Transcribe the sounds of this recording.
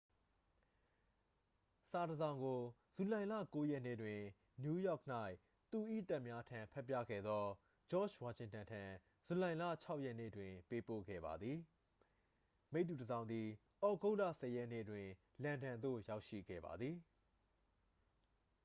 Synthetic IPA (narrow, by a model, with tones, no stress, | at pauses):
sa˨dəzã˨ʊ̃ŋɡo˨ | z̥u˨lã˨ɪ̃lä̰˦˨ko˦jɛ˦ʔnḛ˦˨dwɪ̃˨ | nju˦jɔ˦˨k̚n̥a˦ɪʔ | t̪u˨ʔḭ˦˨ta˦ʔmja˦tʰã˨mpʰɛ˦˨p̬ːjä̰˦˨ɡɛ̰˦˨d̪ðɔ˦ | d͡ʑɔ̰˦˨t͡ʃwa˨ʃɪ̃˨ŋtã˨ntʰã˨ | z̥u˨lã˨ɪ̃lä̰˦˨t͡ɕʰa˦ʊʔjɛ˦˨nḛ˦˨dwɪ̃˨pe˦po̰˦˨ɡɛ̰˦˨ba̰˨d̪ði˨ | me˦ɪʔt̪ːu˨dəzã˨ʊ̃nd̪ði˨ | ʔɔ˨ɡo˦ʊʔla̰˦˨sɛ˨jɛ˦ʔnḛ˦˨dwɪ̃˨ | lã˨ndã˨nd̪o̰˦˨ja˦ʊʃḭ˦˨ɡɛ̰˦˨ba̰˨d̪ði˨